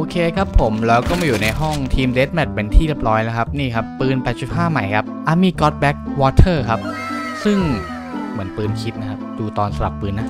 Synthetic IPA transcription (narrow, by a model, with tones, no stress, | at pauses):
ʔoː˧kʰeː˧kʰɾa˦˥pʰːo˩˦mɾɛː˧wkɔː˥˩maː˧˩juː˨˩na˧jɦɔ˥˩ŋt̪ʰiː˧mdeː˦˥t̪̚mɛ˨˩t̪̚pe˧nt̪ʰiː˥˩le˦˥p̚ɾɔː˦˥jlɛ˦˥kʰa˦˥p̚niː˥˩kʰa˦˥pːɯː˧npɛː˨˩t̪̚t͡ɕu˨˩p̚ɦaː˥˩ma˨˩jkʰa˦˥p̚ʔa˧˩miː˧kɔ˦˥t̪̚bɛ˦˥k̚wɔː˧˦t̪ʰɤː˥˩kʰa˦˥p̚ | sɯ˥˩ŋ | mɯ˩˦ənpɯː˧nkʰi˦˥p̪̚na˦kʰa˦˥p̚duː˧t̪ɔː˧nsa˧la˨˩pːɯː˧nːa˦˥